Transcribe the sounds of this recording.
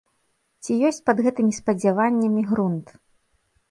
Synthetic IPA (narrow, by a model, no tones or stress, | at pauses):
t͡sʲijɔsʲt͡sʲpɐd̪ɣɛt̪ɨmʲispɐd͡zʲavanʲːɐmʲiɣɾunt̪